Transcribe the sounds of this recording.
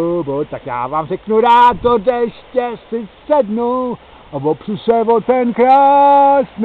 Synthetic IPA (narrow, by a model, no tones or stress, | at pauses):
bot̪akja̰ːvaːmrɛknuɾaːt̪odɛʃcɛsɪsɛdnu | ʔavopr̥isɛvot̪ɛnkɾaːsn